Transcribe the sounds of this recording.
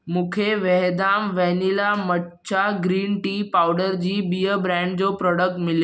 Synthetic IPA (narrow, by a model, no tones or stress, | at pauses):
mũːkʰeʋɛɦd̪aːmʋɛnilaməʈ | t͡ɕaɡɾiːnʈiːpaːʊɖəɾd͡ʑiːbiːjəbɾɛ̃ːɳɖ̚d͡ʑoːpɾɔːɽək̚ʈmɪljo